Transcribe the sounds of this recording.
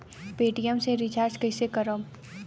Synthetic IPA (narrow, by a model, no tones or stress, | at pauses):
peːʈijəmseɾɪt͡ʃaːɾd͡ʒkəɪsekəɾə